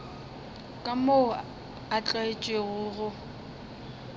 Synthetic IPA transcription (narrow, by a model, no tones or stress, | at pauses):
kʼamo | at͡ɬʼaɪt͡ʃʼweɣʊɣʊ